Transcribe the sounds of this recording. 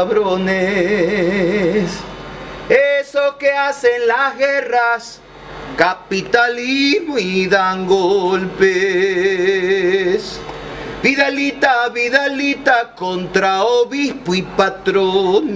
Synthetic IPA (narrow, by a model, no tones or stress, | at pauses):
βɾone | s | esokeasenlazɣeras | kapit̪alizmoiðaŋɡolpe | s | biðelit̪aβiðelit̪akont̪ɾaoβispoipat̪ɾon